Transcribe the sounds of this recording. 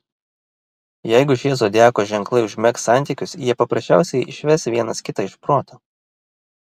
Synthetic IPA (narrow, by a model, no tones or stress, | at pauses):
jɛɪɡʊʒʲeːzoːd̪ʲæːkoːʒʲɛŋklˠɐɪʊʒʲmʲɛksɑˑnʲt̪ʲiˑkʲʊsjiɛpɐpɾɐʃʲt͡ʃʲæˑʊsʲɛɪʔɪʃʲʋʲɛsʋʲiɛnɐskʲɪt̪ɐɪʃpɾoːt̪ʰɐ